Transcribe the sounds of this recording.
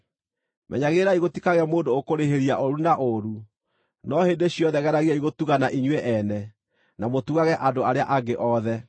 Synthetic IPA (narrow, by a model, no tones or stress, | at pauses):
mʔɛ̰ɲaɣeːɾaiɣotikaɣeamoːndookoɾeɦeɾiaʔoɾunaʔoɾu | nɔheːndeɕiɔðɛɣɛɾaɣiaiɣotuɣanaʔiɲwɛʔɛnɛ | namotuɣaɣɛʔadoaɾea̰ʔaɡeʔɔðɛ